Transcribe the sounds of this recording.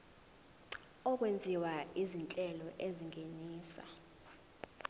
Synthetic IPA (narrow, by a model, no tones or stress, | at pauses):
ɔk̬wend͡zʱiwaʔizint͡ɬʼɛlɔʔeziŋʱeniːsa̰